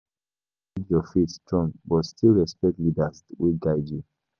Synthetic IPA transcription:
idjɔfitstɹɔ̃ŋbɔtstʰilɹɛspɛk̚tlidaswiɡaɪd͡ʒu

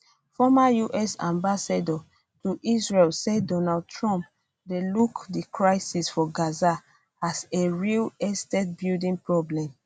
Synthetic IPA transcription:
fɔmajuʔɛsã̰mbasadɔ | tuʔisɹelsɛdɔnad̚tʰɹɔ̃mp̚ | delukdikʰɹaɪsisfɔɡaza | aseɹilɛstet̚bildĩnpɹɔblɛ̃m

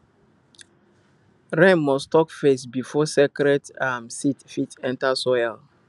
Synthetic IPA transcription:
ɹɛ̃nmɔstɔkfesbifɔsɛkɾɛdamsitfitɛ̃ntasɔjl

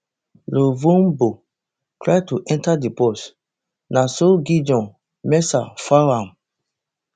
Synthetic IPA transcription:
lovõmbo | tɹajtuʔɛ̃ntadipɔs | nasoɡid͡ʒɔ̃n | mɛsafawãm

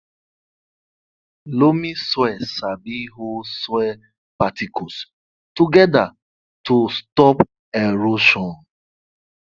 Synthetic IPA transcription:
lomiswɛsabiɦoswɛ | patikos | tuɡɛda | tustɔp | eɾoʃɔ̃n

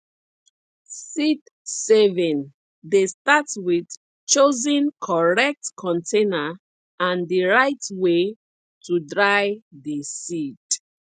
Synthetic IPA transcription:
sid | sɛvɛ̃n | destatwid | t͡ʃozə̃nkʰɔɹɛk̚tkʰɔ̃ntʰẽna | ãndiɹaɪtwe | tʰudɹajdəsid̥

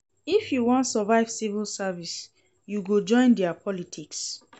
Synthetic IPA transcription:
ifjuwɔ̃ntsɔvaɪv̥sivulsavis | juɡod͡ʒɔ̃ɪ̃ndɛapʰɔlitʰiks

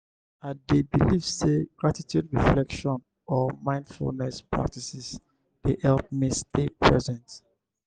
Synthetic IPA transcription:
adebilivseɡɹatitʰjudɹiflɛkʃɔ̃n | ɔmãɪ̃ndfṵlnɛspɹa̰k̚tisis | d̥eʔɛlp̚mistepʰɹɛzɛ̃nt

